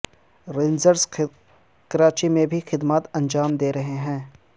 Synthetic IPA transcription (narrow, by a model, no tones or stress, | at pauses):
ɾeːnzəɾs | kɐɾaːt͡ʃimẽbʱixɪd̪maːt̪ɐ̃nd͡ʒaːmd̪eːɾɐɦeɦɛ̃ː